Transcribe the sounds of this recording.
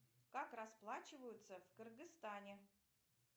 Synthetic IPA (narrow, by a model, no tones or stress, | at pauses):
kakrɐsplˠat͡ɕɪvəjʊt̪səfkərɡɨst̪anʲɪ